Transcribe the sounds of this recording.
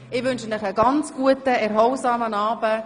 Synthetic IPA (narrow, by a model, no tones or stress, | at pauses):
ɪʋʏnʃənɪχəɡɑnt͡sɡ̥uətəɛɾɦɔlsɑːmənɑːbə